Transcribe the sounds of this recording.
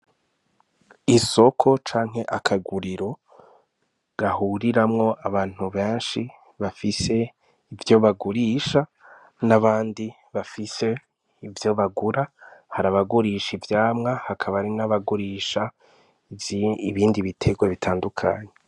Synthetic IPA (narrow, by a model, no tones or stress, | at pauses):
iso̞kʰo̞t͡ʃaːŋ̥ɦe̞ʔakʰaɡuɾiɾo̞ | ɡ̥ahuɾiɾamŋo̞ʔaβaːn̥huβeːnʃi | βafise̞ | ivjo̞βaɡuɾiːʃa | naβaːndi | βafise̞ | ivjo̞βaɡuɾahaɾaβaɡuɾiːʃivjaːmŋahakʰaβaɾinaβaɡuɾiːʃa | βiːndiβitʰe̞ɡweβitʰaːndukʰa̰ɲe